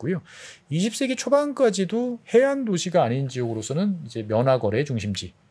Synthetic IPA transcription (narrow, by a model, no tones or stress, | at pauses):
kujoiɕʰip̚s͈e̞ɡet͡ɕʰobank͈ad͡ʑidohe̞andoɕʰiɡaːɲind͡ʑiʌɡɯɾosʰʌnɯnid͡ʑe̞mjʌnɦaɡʌɾe̞t͡ɕuŋɕʰimd͡ʑi